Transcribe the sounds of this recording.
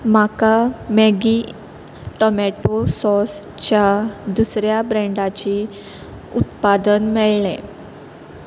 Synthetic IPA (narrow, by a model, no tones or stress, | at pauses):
makameɡi | ʈɔmɛʈosɔs | t͡ɕjad̪usɾjabɾɛ̃ɳɖat͡ɕi | ut̪pad̪ənmɛɭlɛ̃